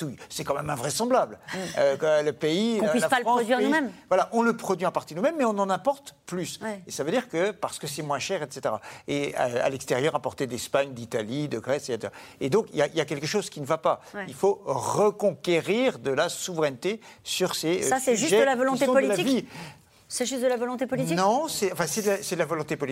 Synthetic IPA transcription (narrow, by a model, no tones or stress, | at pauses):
t̪ujsɛkɑ̃mɛmɛ̃vʁɛsɑ̃blabløkləpeikɔ̃pislapalpɑ̃ɔd̪iʁnumɛmvwalaʔɔ̃ləpχɔd̪ɥiɑ̃paʁt̪id̪numɛmːɛɔ̃nɑ̃nɛ̃pɔʁt̪plysesavød̪iʁkəpaʁsə̥kəsɛmwɛ̃ʃɛʁɛt̪set̪eʁa̰ḛa̰lɛkst̪eʁjœʁɛ̃pɔʁt̪ed̪ɛspaɲd̪it̪alid̪əɡʁɛseset̪eʁaed̪ɔ̃kiljailjak̬ʲɛlkəʃozkʲinəvapailfoʁəkɔ̃kʲeʁiʁd̪əlasuvʁɛnt̪esyʁsesasɛʒysʒɛd̪əlavɔlɔ̃t̪eɔ̃pɔlilaivi | sɛʒyst̪d̪əlavɔlɔ̃t̪epɔlit̪inɔ̃sɛɑ̃fɛ̃sɛd̪əlasɛd̪əlavɔlɔ̃t̪epɔli